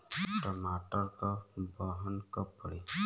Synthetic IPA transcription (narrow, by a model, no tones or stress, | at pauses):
ʈɔmaʈɔɾkɔbɔɦɔnkɔpːɔɽe